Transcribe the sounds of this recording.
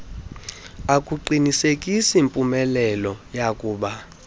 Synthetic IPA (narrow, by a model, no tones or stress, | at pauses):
akʼuǃinisekʼisimpʼumɛlɛlɔjakʼuːɓa